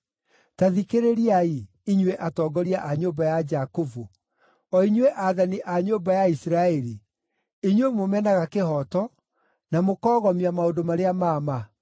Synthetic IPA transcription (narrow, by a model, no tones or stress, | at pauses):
taðikeɾeɾiai | iɲweʔatɔːɡɔɾiaʔaɲoːbajad͡ʒakovu | ɔiɲweʔaðaniʔaɲoːbajaisɾaɛɾi | iɲwemomɛnaɣakeɦɔtɔ | namokɔːɣɔmiamaondomaɾeamaːma